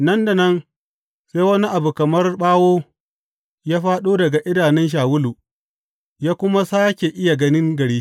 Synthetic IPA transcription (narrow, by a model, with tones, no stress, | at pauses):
nɐ˦nda˨nɐ˦n | seː˦wɐ˦ni˦ʔa˨bu˨kɐ˨mɐ˦rɓaː˦woː˦ | jaː˦ɸaː˦ɗoː˦dɐ˨ɡa˨ʔɪ˦daː˨nɛ˦nʃ̬aː˨wʊ˦luː˨ | jaː˦kʷʊ˦ma˦saː˦kʲe˨ʔɪ˦ja˨ɡɐ˦nɪ˦ŋɡɐ˨ɽiː˦